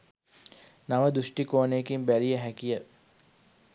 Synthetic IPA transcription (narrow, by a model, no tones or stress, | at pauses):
naʋəd̪uʂʈikoːnekimbæɾijəɦækijə